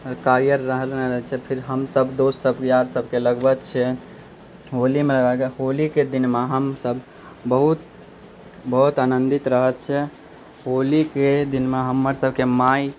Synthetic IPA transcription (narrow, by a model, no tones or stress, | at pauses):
əɾkaɾjəɾːəɦəlneɾəɦɛt͡ʃʰɛpʰiɾɦəmsəbd̪ossəbkejaɾsəb̚ʱkeləɡbət̪t͡ʃʰɛ | ɦolimeləɡaɡeɦoliked̪inmaɦəmsəb | bəɦut̪̚ | bəɦut̪anənd̪it̪ɾəɦət̪t͡ʃʰɛ | ɦoliked̪inmeɦəmːəɾsəbʱkemaj